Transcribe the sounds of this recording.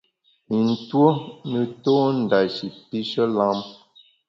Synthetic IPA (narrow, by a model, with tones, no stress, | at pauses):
i˨n̩˨two˦nə˨toː˦n̩˨da˨ʃi˨pi˦ʃə˦la˦m